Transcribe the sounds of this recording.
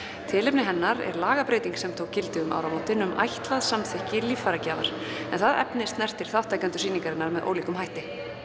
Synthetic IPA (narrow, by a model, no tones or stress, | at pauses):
t̪ʰɪːlɪpnɪɦɛnːaɾɛ̰ɾlaːɣapɾeːjt̪iŋksɛmt̪ʰoːwkcɪlt̪ɪʏmʔa̰wɾamoːwt̪ɪnʏmʔa̰jht̪laðsamθɪhcɪliːffaɾacaːva̰ɾ̥ɛnθaðɛ̰pnɪst̪nɛr̥t̪ɪɾ̥θawht̪ajkant̪ʏ̥siːniŋkaɾɪnːaɾmɛðʔo̰ːwliːkʏmɦajht̪ɪ